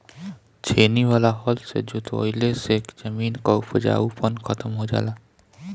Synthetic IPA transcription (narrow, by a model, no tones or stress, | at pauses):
t͡ʃʰeniʋalaɦɔlsḛd͡ʒut̪ʰoo̰jlesekd͡ʒəmiːnkɔupʰəd͡ʒa̰upənkʰət̪əmɦod͡ʒa̰ːla